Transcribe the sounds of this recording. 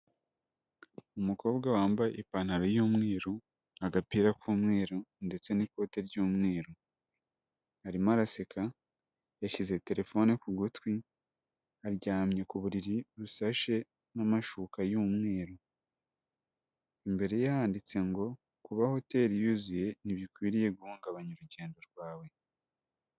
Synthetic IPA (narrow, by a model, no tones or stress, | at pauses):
umuko̞ːbɡawaːmbaʔipan̥haɾojuːmŋe̞ːɾo | aɡapiːɾakuːmŋe̞ːɾonde̞t͡se̞niko̞te̞ɾɟuːmŋe̞ːɾo | haɾimaɾasekʰa | jaʃize̞te̞ɾe̞fo̞nekuɡutwi | aɾɟaːmɲekuβuɾiɾiɾusaʃe̞ | namaʃuːkajuːmŋe̞ːɾo | imbe̞ɾe̞jahaːndit͡se̞ŋɡo̞ | kuβaho̞te̞ɾijuzije̞niβikwiːɾije̞ɡuhuːŋɡaβaɲuɾuɟe̞ːndo̞ɾɡwaːwe̞